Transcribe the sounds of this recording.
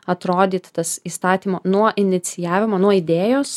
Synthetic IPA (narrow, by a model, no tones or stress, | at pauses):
ɐt̪ɾoːd̪ʲiːt̪t̪ɐsiːst̪ɑːt̪ʲiːmoːnuɔʔɪnʲɪt̪sʲɪjæːʋʲɪmoːnuɔɪd̪ʲeːjoːs